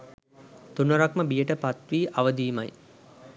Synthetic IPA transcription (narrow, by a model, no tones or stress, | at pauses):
t̪unoɾakməbijəʈəpat̪ʋiːʔaʋəd̪iːma̰j